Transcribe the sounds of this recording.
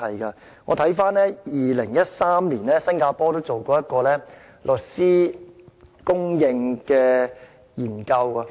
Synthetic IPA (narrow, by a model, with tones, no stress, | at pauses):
ɐ˨jkɐ˧ | ŋɔː˨˧t̪ʰɐ˨˥jfaː˥nlɛː˥jiː˨˧lɪ˨˩ŋjɐ˥t̚saː˥mliː˨˩nɛː˥sɐ˥ŋkaː˧pɔː˥t̪o˥wt͡so˨wkɔː˧jɐ˥t̚kɔː˧lɛː˥ | lʔɵ˨t̚siː˥ | kʊ˥ŋjɪ˧ŋkɛː˧ | jiː˨˩nkɐ˧wɐ˧